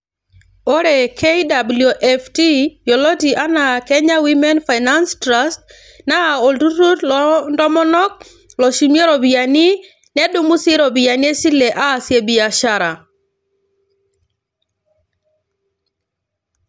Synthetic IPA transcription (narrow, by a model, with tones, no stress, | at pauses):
o˦ɾɛ˨kʰe˦da˨bljo˨ʔɛ˦fti˦jɔ˨lɔ˦ti˨ʔa˦na˨kɛ˦ɲa˦wi˦mɛ˦nfa˨ɪna˦nstɾa˦st | na˦˨o˨ltu˦ɾu˦tlndɔ˦mɔ˦nɔ˦k̚ | lɔ˨ʃi˨mje˦ɾɔ˨bi˨a˨ni˦ | nɛ˦dʊ˦mu˦sɪ˦ɾɔ˨bi˨a˨nɪ˦e˦si˦le˨ʔaː˦˨sje˨bi˨a˨ʃa˦ɾa˨